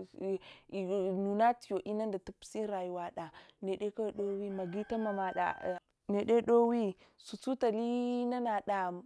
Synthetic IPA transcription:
nu˨na˦ti˨jo˨ʔi˦na˦nda˨tu˦psi˦ɾa˨ju˨wa˨ɗa˨ne˨ɗe˦ka˦˨ɗo˦wi˦ma˨ɡi˦ta˦ma˨ma˨ɗa̰˨ | ne˨ɗe˦ɗo˦wi˦su˨t͡su˦ta˨li˦na˦na˨ɗa˨m

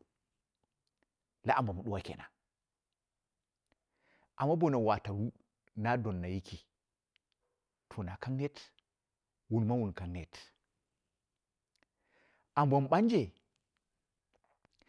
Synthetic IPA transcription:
la˦ʔa˨bo˨m˨ɗu˦wa˦kḛ˨na̰˨ | ʔa˨mːa˦bo˦˨na˨wa˨ta˨ɾu˦ | na˦do˨nːa˨ji˦kʰi˨ | tʰo˨na˨ka˦ŋne˦t | wu˨nma˦wu˨nka˨ŋne˦t | ʔa˨mbo˨m˨ɓa˦nd͡ʒe˨

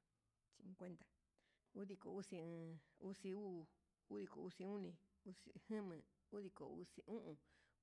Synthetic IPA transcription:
t͡ʃi˧ũ˧kʷe˦nd̪a˨ | u˦ði˧ko˨u˦sĩ˧u˦si˧uː˦˨ | u˦ði˧ko̰˨u˧si˧ũ˦nĩ˧ | u˦si˧hɨ̃˦mɨ̃˨ | u˦ði˧ko̰˨ṵ˧si˧ʔũ˦ʔũ˧

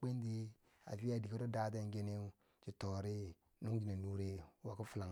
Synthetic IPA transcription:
k͡pe˦nde˦ | a̰˨fi˦a˨di˨ko˦ɾo˦da˦da˦˨ŋ˦ɡe˦ne˦ | t͡ʃi˨to˨ɾi˦ | nu˦ŋɡi˨na˨nu˦ɾe˦wa˨ku˦fu˦la˨ŋ

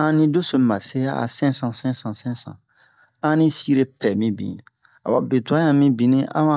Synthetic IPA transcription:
ã˦nĩ˦do˦sõ˨ma˨se˦ja˦a̰˨sɛ̃˦sã˨sɛ̃˦sã˨sɛ̃˦sã̰˨ | ã˦nĩ˦si˦ɾe˦pɛ˨mĩ˦bḭ̃˨ | a˨wa˨be˨tu˨ã˦jã˨mĩ˦bĩ˨nĩ˦ã̰˦mã˦

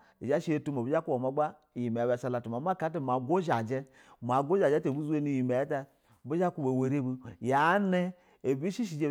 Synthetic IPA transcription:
i˨d͡ʒa˦ʃi˦e˦tu˦ma˨bi˦d͡ʒa˦ku˦wa˨ma˨˦ɡ͡ba˦˨ | ji˨me˨ba˨sa˨la˨tu˨ma˨˦ma˦˨ka˦t̬e˦˨ma˨ɡo˦ʒa˨d͡ʒɛ˦ | m˨a˨ɡo˦a˨d͡ʒe˦te˨bu˦zu˦e˦ni˦˨ji˨me˨˦ta˦˨ | bi˦d͡ʒa˦ku˦be˨we˨ɾe˦bu˦ja˨˦ne˦ | e˨bi˦ʃi˦ʃ̬i˨d͡ʒe˦

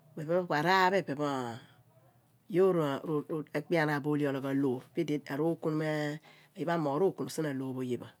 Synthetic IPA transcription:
be˨be˦kʷa˨ɾa˦be˦˨be˨ba˦˨ | jo˦ɾɾe˦k͡pi˦a˦na˨bo˦li˦o˨lo˨ɡa˨lo˨pi˦de˨a˨ɾo˦ku˦n˦me˦ | a˨je˦ba˦mo˨ɾo˦˨ku˨no˨si˦na˨lo˨bo˨je˦ba˨

